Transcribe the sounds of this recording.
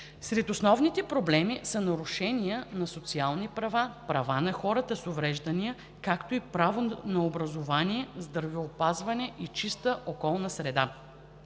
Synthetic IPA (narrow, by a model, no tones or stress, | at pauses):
sɾɛt̪osnɔvnit̪ɛpɾoblɛmisɐnɐɾuʃɛnijənɐsot̪sialˠnipɾɐvapɾɐvanɐxɔɾət̪əsovɾɛʒd̪ɐnijə | kakt̪oipɾavonɐobɾɐzovaniɛzd̪ɾvɛopazvɐnɛʔit͡ʃist̪əʔokɔlˠnɐsɾɛd̪a